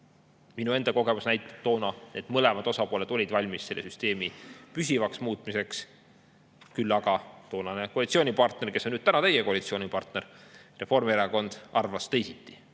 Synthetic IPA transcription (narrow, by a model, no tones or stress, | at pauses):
minue̞nd̪ɑko̞ɡ̥e̞musnæjt̪ːˑɑ̥p̚t̪ːo̞ːnɑned̪mɤlemɑd̪o̞sɑpo̞ːle̞d̪̥o̞lʲid̪vɑlʲmisse̞lːe̞syst̪e̞ːmipysivɑksmuːt̪ˑmise̞ks | kylːɑɡ̥ɑt̪o̞ːnɑne̞koɑlit̪sio̞ːnʲipɑrt̪ne̞rkesːonyːd̪t̪ænɑt̪ejeko̞ɑlʲit̪sio̞ːnʲipɑrt̪ne̞ɾre̞fo̞rmieɾɑko̞nd̪̥ɑrvɑst̪ejsit̪ːˑi̥